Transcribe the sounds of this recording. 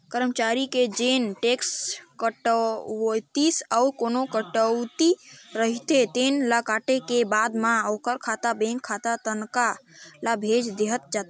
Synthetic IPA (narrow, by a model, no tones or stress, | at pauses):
kəɾəmt͡ʃaɾiked͡ʒenʈekskəʈət̪isawkonokəʈəʊt̪iɾəɦit̪et̪enlakaʈekebad̪maokəɾkʰat̪abẽŋkʰːat̪at̪ənkalabʱed͡ʒd̪eɦət̪̚d͡ʒat̪e